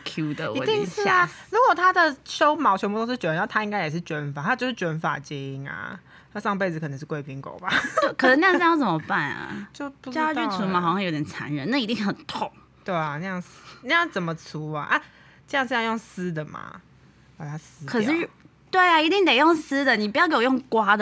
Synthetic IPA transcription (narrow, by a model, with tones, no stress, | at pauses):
kʰju˦˥d̪ə˨i˧˨t̪i˥˧ŋʂ̩˥˨˥a˨˩ɻu˧˥kwɔ˨˩t̪ʰa˦˥d̪ə˨ʂo˥ʊmɑ˨˥ʊt͡ɕʰɔ˧˥mpu˥˧t̪o˥ʂ̩˥˧t͡ɕɔ˧˥˩ə˧˦n˥˩t̪ʰa˥i˥ŋka˥ɪjɛ˨˩ʂ̬ɻ̩˥˩t͡ɕɥɛ˧˥nfa˨˩nʰa˥˩t͡ɕjʂɻ̩˥˩t͡ɕɥɛ˧˥nfa̰˨˩t͡ɕɛ˧˥i˧˥ŋɐ̰˨˩ | na˥˧ʂɑ˥˧ŋpe˥˩ɪd͡z̩˨kʰə˨˩nə˧˦ʂɻ̩˥˩kwe˥˩ɪpʰi˧˥ŋko̰˨˩ʊba˨˩o˥˩kʰə˨˧˩ʂ̩˧na˥jʂ̩˥˧jt͡sə˨˩mə˦pa˥˩nɐ̰˩˨t͡ɕjo˥˧ʊpu˧˥t͡ɕt͡ɕy˥˧t͡sʰu˧˥ma˧˩xɑ˨˩ɕjɑ˥˧ŋjo˧˦˥it̪jɛ˨˩n˩t͡sʰa̰˧˦nɻə˧˦na˥˩˨i˧˥t̪i˥˧ŋ˥˩xə˨˩nt̪ʰo˥˨˩ŋ | t̪we˥˩ɪɐ˩na˧jɑ˥˩ŋ˥na˥˧jɑ˥˩ŋt͡sə˨˩nmə˨t͡sʰu˦a̰˨ʔa˥˦ | ɤ˥˧jŋʂɻ̩˥˧jɑ˥˧jo˥˩ŋsɹ̩˥d̪ə˨ma̰˨˩ | pa˨˩t̪ʰa˥s̩˧˥kʰə˨˩ʂɻ̩˥˩˥ | t̪we˥˩ɪa˩i˧t̪i˥˩ŋt̪e˨˩ɪjo˥˩ŋsɹ̩˥d̪ə˨ni˨˩p̬u˧˩jke˥˩˨jo˥˩ŋkwa˥d̪ə